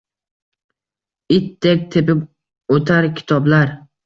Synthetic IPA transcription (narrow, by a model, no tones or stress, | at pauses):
ɪt̪ːek̚ʲt̪ʰepɪp | ot̪ʰaɾkʲʰɪ̥t̪ʰɒblaɾ